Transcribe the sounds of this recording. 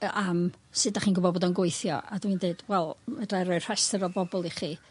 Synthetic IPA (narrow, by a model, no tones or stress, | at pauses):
am | sɨdaχiːnɡʊbɔdboːdɔənɡwejθjɔ̰ʔadwindeɨd̥wɛlˠmadrajɾɔɨr̥ɛstəɾɔbɔbɔlˠiχiː